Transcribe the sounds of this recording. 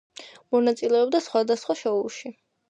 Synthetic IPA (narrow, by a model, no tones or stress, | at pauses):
mɔnat̪sʼilɛɔbd̪asχwad̪asχwaʃɔulˠʃi